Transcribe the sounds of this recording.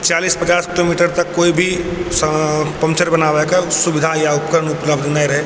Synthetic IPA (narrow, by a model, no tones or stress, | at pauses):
t͡ʃaːliːspɐt͡ʃaːskɪloːmiːʈəɾt̪ɐkːoːibʱi | pɐ̃mt͡ʃəɾbɐnaːʋekəsʊbɪd̪ʱajaʊp̚kəɾənʊpləbd̪ʱnaiɾɐɦe